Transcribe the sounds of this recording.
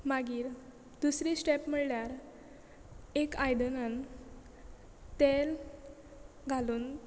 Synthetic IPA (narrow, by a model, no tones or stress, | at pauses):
maɡiːɾ | d̪usɾisʈepm̤əɭljaɾ | ekajd̪ənən | t̪el | ɡʱaluːn